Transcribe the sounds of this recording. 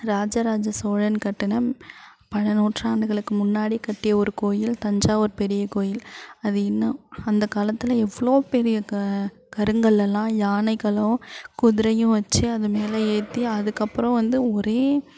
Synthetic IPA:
ɾaːd͡ʒɐɾaːd͡ʒɐsoːɻɐnkɐʈːɪnɐ | pɐɳɐnoːʈraːɳɖɯɣɐɭɯkːɯmʊnːaːɽikɐʈːɪjɐɔɾɯkoːjɪlt̪ɐɲd͡ʒaːɔɾɯpɛɾɪjɐkoːjɪlɐðɯɪnːɐɐnd̪ɐkaːlɐt̪ːɯlɐɛʋːɐɭoːpɛɾɪjɐ | kɐɾɯŋɡɐɭːɛlːãːjaːnɐɪkɐlɐʋʊ̃kʊðɪɾɐjʊ̃ʋɐt͡ʃːɯɐðɯmeːlɐeːt̪ːiɐðɯkːɐpːɯɾɔ̃ʋɐnd̪ɯɔɾeː

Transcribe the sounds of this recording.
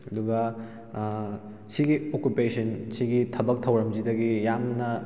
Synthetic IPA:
ɐduɡɐ | sʰiɡiokupesʰɐnsʰiɡitʰɐbɐk̚tʰɐwɾɐmzidɐɡijamnɐ

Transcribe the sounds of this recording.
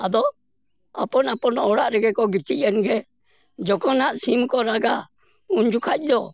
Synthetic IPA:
ad̪ɔ | apɔnapɔnɔɽaʔɾɛɡɛkɔɡit͡ʃic̚anɡɛ | d͡ʒɔkɔnaʔsimkɔɾaɡa | uɲd͡ʒukʰac̚ˀd̪ɔ

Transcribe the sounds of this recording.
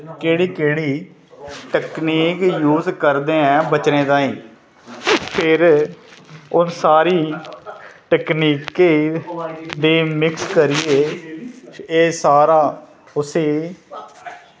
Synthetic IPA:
keːɽiːkeːɽiː | ʈəkniːkjuːzkəɾd̪eːɛ̃ːbət͡ʃnẽːd̪ãːĩː | pʰɪɾ | ʊnsaːɾiː | ʈəkniːkeː | d̪eːmɪkskəɾiːeː | eːsaːɾaː | ʊseː

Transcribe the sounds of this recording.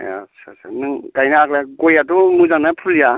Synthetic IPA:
a̰sʰasʰanɯŋɡajnaaklaɡojadɔmuzanapʰulija

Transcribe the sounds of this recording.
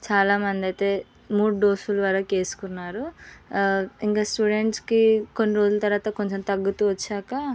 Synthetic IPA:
t͡ʃaːlaːmɐnd̪iɐjt̪e̞ː | muːɽuɖoːsulʋaːɾaːke̞ːsu̥kunːaːɾu | iŋkaːsʈuːɖe̞ɳʈskiko̞nːiɾo̞ːd͡ʒulɐt̪ɐɾʋaːt̪ɐko̞ɲt͡ʃemt̪ɐɡːut̪uːʋɐt͡ʃːaːkɐ

